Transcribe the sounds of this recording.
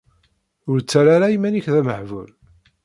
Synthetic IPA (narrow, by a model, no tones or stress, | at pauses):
ʊɾt͡sːaɾaɾaimæniçðæməħvul